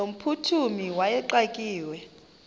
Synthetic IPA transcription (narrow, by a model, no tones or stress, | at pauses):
om̩pʰutʰumiwajɛǃakʼiːwɛ